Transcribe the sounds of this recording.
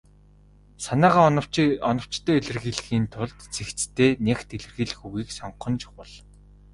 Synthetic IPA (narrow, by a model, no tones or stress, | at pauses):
sanæːʁaːnɞwɔnɞ̆w̥t͡ɕt̪ʰœːeɮɘ̆rɣiːɮɣiːnt̪ʰʊɮt̪t͡sʰext͡st̪ʰeːnext̪iɮɘ̆rɣiːɮxuɣiːksɔɴqɞ̆nt͡ɕʰʊ̥χʊ̆ɮ